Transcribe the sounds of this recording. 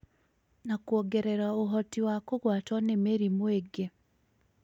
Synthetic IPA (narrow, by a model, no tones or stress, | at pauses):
nakwɔɡɛɾɛɾaoɦɔtiwakoɣwatwɔnemeɾimweɡe